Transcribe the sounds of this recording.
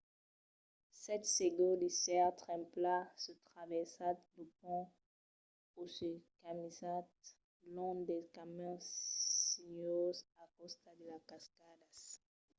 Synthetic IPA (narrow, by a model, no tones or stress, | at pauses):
sɛt̪seɡɔ̃d̪isɛat̪χɛ̃plasət̪χavɛʁsat̪̚d̪upɔ̃ | osəkamizat̪̚ | lɔ̃d̪ɛkamɛ̃siɲozakɔst̪ad̪əlakaskad̪as